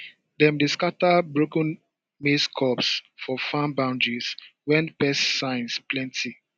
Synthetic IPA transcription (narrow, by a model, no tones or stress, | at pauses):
dɛ̃mdeskatabɹokə̃n | meskʰɔpsfɔfãnbãʊ̃ndɹiswɛ̃npɛsːãɪ̃nsplɛ̃ntʰi